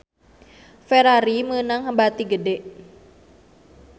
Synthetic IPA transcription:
fɛɾaɾimənaŋɦəmbat̪iɡədɛʔ

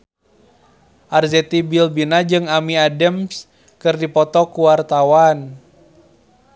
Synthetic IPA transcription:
ʔarzɛt̪ibilbinad͡ʒɨŋamiadɛms | kɨrdipɔt̪ɔkuwart̪awan

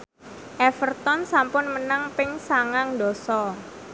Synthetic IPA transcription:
ʔɛfərt̪ɔnsampʊnmənaŋpɪŋsaŋaŋdɔ̤sɔ

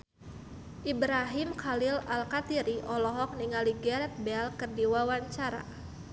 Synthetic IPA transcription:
ʔibɾaɦɪmkʰalɪlalkat̪iɾiʔɔlɔɦɔk̚niŋaliɡɛrt̪̚bɛlkərdiwawaɲt͡ʃaɾa̰

